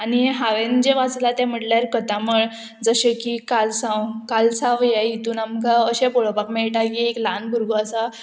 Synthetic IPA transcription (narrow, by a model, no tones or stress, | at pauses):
aniɦaʋend͡ʑeʋat͡slat̪jam̤əʈljaɾkət̪aməɭ | d͡zəɕekikalsãwkalsãʋjeit̪uːnamkaəɕepoɭopakmeɭʈakieklanbʱuɾɡoasa